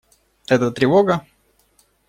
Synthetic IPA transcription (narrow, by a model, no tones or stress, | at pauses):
ɛt̪ət̪ɾʲɪvoɡə